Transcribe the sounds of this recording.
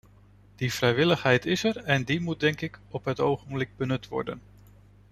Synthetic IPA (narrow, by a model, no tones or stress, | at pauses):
d̥iv̥rɛjʋɪləχɦɛjtɪsɛɹɛndimut̚dɛŋkɪkɔpɦətowχənblɪɡ̚bənɵtʋɔ̰ɹdə̰n